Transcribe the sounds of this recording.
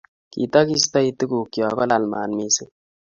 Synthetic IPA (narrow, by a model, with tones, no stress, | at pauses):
kḭ˨t̪a˦ki˦st̪a˦i˨t̪ɨ˦ɡu˨kjɔ˨kɔ˦la˨lma̰ː˨nmi˦se˦